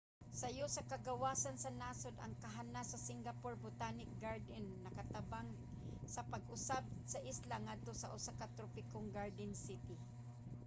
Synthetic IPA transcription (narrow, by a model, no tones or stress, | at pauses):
sajʊsakaɡawaːsansanasod̪ɐ̰ŋkaɦanasasɪŋɡapoɹbʊt̪aːnɪk̚ɡaɹd̪ɛnːɐkat̪abaŋ | sɐpaɡʊsab̚saʔɪslaŋad̪̚t̪osaʔʊsakat̪ɾopɪkoŋɡaɹd̪ɪnsɪt̪ɪ